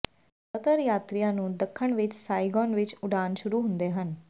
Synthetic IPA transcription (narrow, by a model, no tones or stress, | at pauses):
ət̪əɾjat̪ɾijanũːd̪əkʰːəɳʋit͡ʃsajɡɔnʋit͡ʃuɖʱanɕuɾuɦũnd̪eɦən